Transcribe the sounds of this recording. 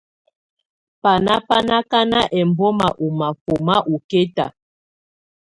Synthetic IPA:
pa˨na˦pa˦na˦ka˦na˦ʔɛ˨m˨bɔ˦ma˨ʔu˨ma˨fo˨ma˦ʔu˨ke˦ta̰˨

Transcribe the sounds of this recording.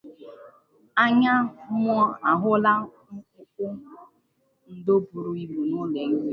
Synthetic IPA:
a˦ɲa˦m˦ɔ˦a˨ɦʊ˦la˦ | kʊ˦kʊ˦ | n̩˨do˦bu˨ɾu˨i˦bu˨nʊ˦le˨ŋ̩˦

